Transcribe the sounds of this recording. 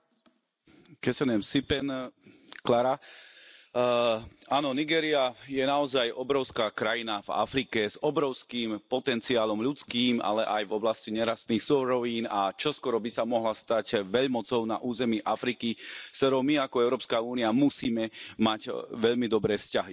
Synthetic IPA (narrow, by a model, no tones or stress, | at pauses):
kɛsɛnɛmsipɛnklaɾa | aːnɔniɡɛːɾiajɛnaɔzajɔbɾɔʊskaːkɾajinava̰fɾikɛzɔbɾɔʊskiːmpɔt̪ɛnt͡siaːlɔmʎut͡skiːma̰lɛʔajvɔblasciɲɛɾast̪niːxsɔɾɔʋiːnat͡ʃɔskɔɾɔbisamɔɦlast̪acʋɛʎmɔt͡sɔʊna̰ʔuːzɛmiːʔafɾikifst̪ɔɾɔʊmiakɔɛʊɾɔːpskauːniamusiːmɛmacʋɛʎmid̪ɔbɾɛːfscaɦi